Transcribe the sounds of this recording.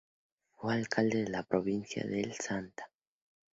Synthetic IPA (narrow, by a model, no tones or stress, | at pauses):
fealkʰald̪eðelapɾoβinsja̰ðelsant̪ḁ